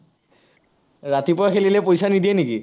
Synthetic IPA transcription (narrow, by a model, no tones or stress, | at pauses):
ɹatipʊɹaxelilɛpojsanidijɛniki